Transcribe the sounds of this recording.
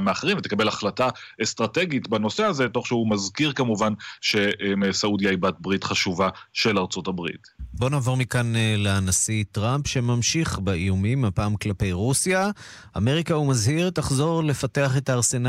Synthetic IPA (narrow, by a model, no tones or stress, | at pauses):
meaχeʁimvet̪ekabe̞laχlataest̪ʁate̞ɡitbano̞seazeto̞χʃehumazkiʁkamuvanʃesaudjaibat̚bʁitχaʃuvaʃelaʁt͡so̞tabʁḭtbo̞navo̞ʁmikanleanasitʁampʃe̞mamʃiχbaijumimapaːmklape̞jʁusjaame̞ʁikaumazhiʁtaχzo̞ʁle̞fate̞aχe̞taːʁse̞na